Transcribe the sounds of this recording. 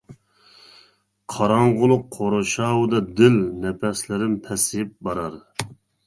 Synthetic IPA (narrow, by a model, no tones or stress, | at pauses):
qʰɑɾɑɴʁʊlˠʊqʰːoɾoʃɑːwɨd̪ɑd̪ɪlnɛpʰɛslɪɾɪnpʰɛsɪp̚bɑɾɑɾ